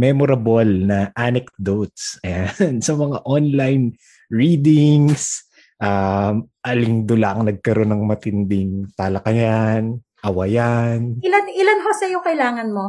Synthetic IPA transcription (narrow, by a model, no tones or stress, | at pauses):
mɛmoɾɐbolnɐʔanɛkd̪ot̪̚sʔɐjansɐmɐŋaʔonlajn | ɹiːd̪ɪŋs | ʔamʔɐlɪŋd̪ʊlaʔɐŋnɐɡ̚kɐɾo̞nɐŋmɐt̪ɪnd̪ɪŋt̪alɐkɐjan | ʔɐwɐjanɪlanɪlanɦosɐjokɐɪlaːŋɐnmo̞